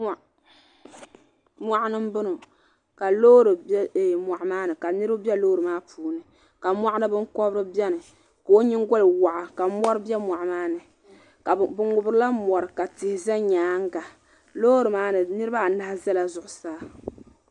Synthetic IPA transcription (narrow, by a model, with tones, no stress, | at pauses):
ma˨ʔnɨ˦mbɨ˦nɨ˨ | ka˨loː˦ɾɨ˨bmʷa˨ʔmaː˦nɨ˨ka˨nɨ˦ɾɨ˦bɛ˦loː˦ɾɨ˨maː˦pʰuː˨nɨ˨ | ka˨mʷa˦ʔa˦nɨ˦bɨ˦ŋkɔ˦bɾɨ˦bɛ˦nɨ˨ | ka˨o˦ɲɪ˦ŋɡɔ˦lɨ˨wa˨ʔa˨ka˨mɔ˦ɾɨ˦bɛ˦mʷa˨ʔmaː˦nɨ˨ | ka˨bɨ˨ŋʊ˨bɾɨ˦la˦mɔ˨ɾɨ˨ka˨tɪ˨hɪ˨za˦ɲaː˨˦ŋ˦ɡa˨ | loː˦ɾɨ˨maː˦nɨ˨nɨ˦ɾɨ˦ba˦˨na˦hza˦la˨zʊ˨ʔʊ˨saː˦